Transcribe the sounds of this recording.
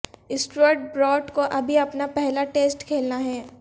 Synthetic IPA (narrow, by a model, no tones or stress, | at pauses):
ɪsʈəɾʈ̚bɾɔːʈkoʔɐbʱiɐpnapɛɦlaʈeːsʈkʰeːlnaɦɛː